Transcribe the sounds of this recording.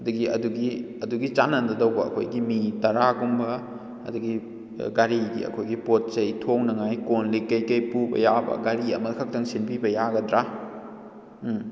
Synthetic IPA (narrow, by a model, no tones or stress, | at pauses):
ɐduɡiɐ̰duɡi | ɐduɡit͡ʃanɐndɐdɐwbɐ̰ːkʰo̰jɡimitɐɾaɡumbɐ | ɐ̰duɡi | ɡaɾiɡḭɐ̰kʰojɡipot̚sejtʰoŋnɐŋajkonlikɐjkɐjpubɐ̰jabɐ̰ɡaɾiɐ̰mɐkʰɐk̚tɐŋsinpibɐjaɡɐdɾa